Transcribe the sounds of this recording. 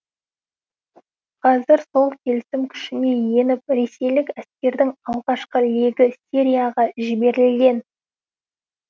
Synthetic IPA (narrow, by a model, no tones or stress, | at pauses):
qʰɑzɪɾso̞lˠkʲʰe̞lɪsɪmkʲʰʏ̥ʃɪne̞je̞nɪp̚ɾe̞se̞jlɪkæskʲe̞ɾd̪ɪŋɑlˠʁɑʃqəle̞ɡʲɪsʲeɾʲijaʁɑʒɪbe̞ɾɪlɡʲe̞n